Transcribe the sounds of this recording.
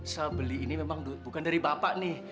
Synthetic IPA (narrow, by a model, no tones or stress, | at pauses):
sabəliːnimemaŋdubukandaɾibapaʔnɪh